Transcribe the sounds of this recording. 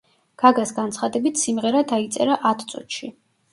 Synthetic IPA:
ɡ̥aɡasɡant̪sʰχad̪ɛbit̪ʰsimʁɛɾad̪ait̪sʼɛɾaʔat̪ʰt̪sʼṵt̪ʃi

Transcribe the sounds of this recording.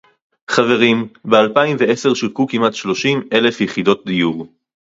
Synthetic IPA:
χave̞ʁimbealpaimvee̞se̞ʁʃilkukimatʃlo̞ʃime̞le̞fjeχid̪o̞t̚d̪ijuʁ

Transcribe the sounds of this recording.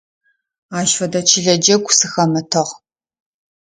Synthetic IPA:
aːʃfɐdɐt͡ʃʰɪɮɐd͡ʒɐɡʷʊsɨxɐmɨtʰɨʁ

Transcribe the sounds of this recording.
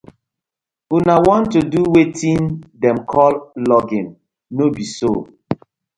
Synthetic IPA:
unawɔ̃ntuduwetʰĩndɛ̃mkʰɔllɔɡĩnː | obiso

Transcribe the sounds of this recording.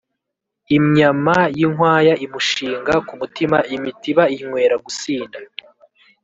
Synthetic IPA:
imɲamajiŋwaːjaimuʃiːŋɡakumutimaʔimitiβaiŋwe̞ːɾaɡusiːnda

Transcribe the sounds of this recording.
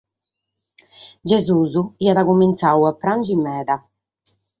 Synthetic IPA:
d͡ʒɛzuːzuiaðakumint̪sawɛpːɾand͡ʒimːɛːða

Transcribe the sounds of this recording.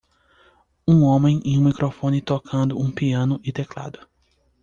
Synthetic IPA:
ũõmẽj̃ẽj̃ũmikɾofõnɪt̪okʰɐ̃nd̪ʊũpiɐ̃nʊʔit̪ekla̰d̪ʊ

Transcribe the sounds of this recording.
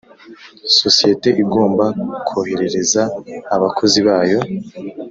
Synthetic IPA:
so̞sije̞te̞ʔiɡo̞ːmbakʰohe̞ɾe̞ɾe̞zaːβakʰo̞ziβaːjo̞

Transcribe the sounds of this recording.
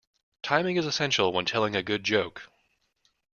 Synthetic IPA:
tʰãɪ̃mɪ̃ŋɨzɨsɛ̃nʃl̩ˠwə̃ntʰɛlˠɪ̃ŋɨɡʊd̚d͡ʒoʊk

